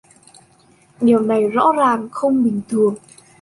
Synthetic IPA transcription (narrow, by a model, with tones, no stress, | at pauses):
ɗi˨˩əwna˨˩jzɔ̰˧˥zaː˨˩ŋxə˧wŋ͡mɓï˨˩ŋ̟t̪ʰɨ˨˩əŋ